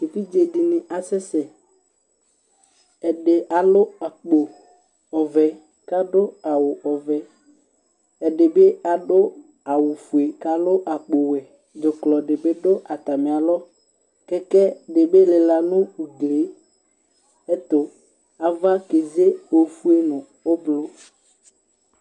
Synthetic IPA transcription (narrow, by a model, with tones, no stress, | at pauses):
e˨fi˦d͡ʒe˨dɪ˨nɪ˨ʔa˨sɛ˦sɛ˨ | ɛ˨ɖɪ˨ʔa˨lʊ˦a˨k͡po˨ | ɔ˨vɛ˨ | ka˦ɖʊ˦a˨wʊ˨ʔɔ˨vɛ˨ | ɛ˨ɖɪ˨be˦a˨ɖʊ˦ | a˨wʊ˨fu˨e˨ka˨lʊ˦ʔa˨k͡po˨wɛ˨ | d͡ʒʊ˨klɔ˨ɖɪ˨be˦ɖʊ˦ʔa˨t̪a˨me˨a˨lɔ˦ | kɛ˦kɛ˦ɖe˨be˦le˨la˨nʊ̃˦u˨ɡle˨˦ | ɛ˦t̪ʊ˨ | a˨va˦ke˨ze˦o˨fu˦e˦nʊ̃˨ | o˦blo˦